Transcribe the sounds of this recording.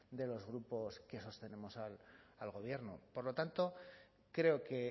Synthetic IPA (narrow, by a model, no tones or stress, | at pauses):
d̪e̞lo̞zɣ̞ɾupo̞ske̞so̞st̪e̞ne̞mo̞salalɣo̞β̞je̞ɾno̰po̞ɾlo̞t̪ant̪o̞ | kɾe̞oke̞